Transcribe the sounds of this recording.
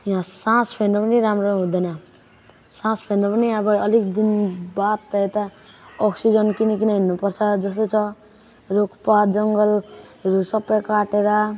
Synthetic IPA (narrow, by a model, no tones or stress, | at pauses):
jɦãsãspʰenɾʌpʌniɾamɾoɦũd̪ʌnʌ | sãspʰenɾʌpʌniʌbʌʌlikd̪inbat̪ːet̪a | ɔksid͡zʌnkinikinʌɦinːupʌrt͡sʰʌd͡zʌst̪ot͡sʰʌ | ɾokʰpad͡zʌŋɡʌlɾusʌpːʌjkaʈeɾʌ